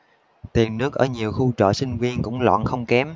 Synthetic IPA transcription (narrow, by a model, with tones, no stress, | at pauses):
t̪i˨˩ənːɨ˦˥ək̚ʔəː˧˩ɲi˨˩əwxu˧t͡ɕə̰ː˧˨sï˧ŋ̟vi˧ənkʊ̰˧˥ŋ͡mlwɔ̰˧˨nxə˧wŋ͡mkɛ˨˦m